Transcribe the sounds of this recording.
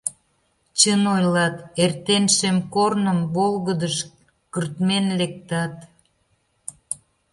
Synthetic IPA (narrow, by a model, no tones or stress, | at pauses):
t͡ɕənojlɑt̪ert̪enʃemkornəmβolɣəd̪əʃ | kərt̪menlek̚t̪ɑt̪̚